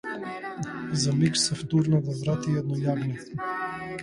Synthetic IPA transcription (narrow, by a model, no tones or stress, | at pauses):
zamiksɛft̪uɾnad̪avɾat̪iɛd̪nɔjavni